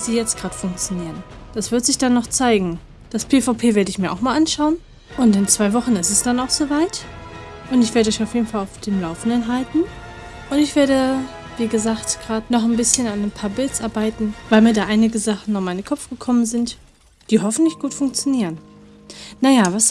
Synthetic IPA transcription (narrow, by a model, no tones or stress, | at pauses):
d̥iːjɛt͡stɡ̥ʁaːdə̥fʊŋk̚t͡sjoniːʁənd̥asv̥ɪɐtz̥ɪçd̥anːɔχt͡saɪɡŋ̩ | d̥aspʰeːfaʊpʰeːveːɐɾəɪçmiːɐʔa̰ʊxmaːlʔanʃaʊən | ʔʊntɪnt͡sv̥aɪvɔχn̩ɪstɛsd̥anaʊxz̥oːvaɪtʔʊntɪçv̥eːɐɾəɔçaʊfjeːdn̩falaʊfd̥eːmlaʊfn̩dənɦaltn̩ | ʔʊntɪçv̥eːɐdə | viːɡəzaːktɡ̥ʁaːtnɔχanbɪsçənananpʰaːɐbɪlt͡sʔaɐbaɪtn̩vaɪlmiːɐdaːʔaɪnɪɡəzaχn̩nɔmaɪnnkʰɔpfɡ̥əkʰɔmənzɪnt | d̥iːɦɔfn̩tlɪçɡ̥uːtfʊŋk̚t͡sjoniːʁən | najaːvas